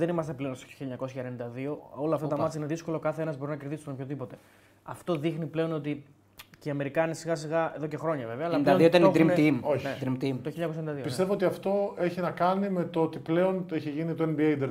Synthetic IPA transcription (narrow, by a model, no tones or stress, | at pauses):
ðenimɐst̪e̞pleonst̪o̥o̥çiliɲɐko̞s̬çɐenenind̪ɐðio̞o̞lɐft̪ɐt̪ɐmɐtt͡siɐineðisko̞lo̞kɐθeenɐzbo̞ɾinɐkeɾðisnopço̞ðipo̞t̪e̞ | ɐft̪o̞ðixniple̞o̞no̞t̪i | ceiɐme̞ɾikɐnisiɣɐs̬iɣɐe̞ðo̞ce̞xɾo̞ɲɐve̞veɐːlɐd̪ɐoðiot̪ɐnid̪ɾimt̪imoçned̪ɾimt̪imt̪oçiɲɐkos̬jend̪ɐðipist̪evoot̪iɐft̪o̞e̞çinɐkɐnime̞t̪oot̪iple̞o̞neçiʝinit̪oenbiejd̪eɾ